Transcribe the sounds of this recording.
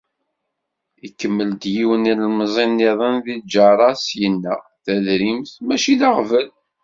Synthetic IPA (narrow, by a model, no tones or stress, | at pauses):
ikːəmːəld̪jiwənillmzˤinːiðˤənðid͡ʒɑɾˤɑsjənːəʁθæðɾimθmæʃiðaʁvəl